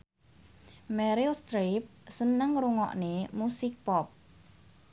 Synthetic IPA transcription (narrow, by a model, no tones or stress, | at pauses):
mɛɾilst̪ɾip̚sənəŋɾuŋɔ̰ʔnemusik̚pɔp̚